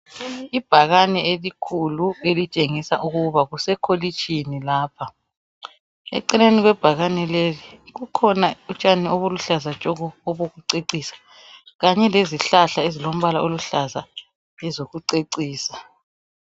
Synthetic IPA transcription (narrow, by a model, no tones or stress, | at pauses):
ib̥ʱaɣanɛelikʰuluelit͡ʃʼeŋisaʔuɣuβaɣusɛkʰolit͡ʃʰʼinilaːpʰa | ɛ̰ǀineniɣwɛb̥ʱaɣanɛleliɣukʰɔnaut͡ʃʼanioβuluɬazat͡ʃʼɔɣɔɔβoɣuǀeǀiːsḁ | ɣaɲɛleziɬaɬaezilom̩βalaʔoluɬaza | ɛzoɣuǀeǀiːsḁ